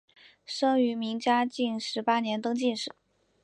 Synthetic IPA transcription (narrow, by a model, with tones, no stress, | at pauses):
ʂɤ˥ŋy˧˥mi˧˥ŋt͡ɕja˥t͡ɕi˥˩nʂɻ̩˧˥pa˥njɛ˧˥nt̪ɤ˥ŋt͡ɕi˥˧nʂɻ̩˨˩˦